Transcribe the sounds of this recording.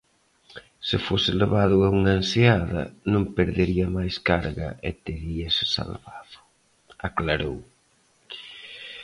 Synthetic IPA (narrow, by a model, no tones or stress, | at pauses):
sɪfosɪleβaðʊauŋanseaðɐ̰nõŋpeɾðeɾiɐmajskaɾɣɐ̰ʔɪ̰t̪eɾiɐsɪ̥sa̰lβaðʊ | aklaɾow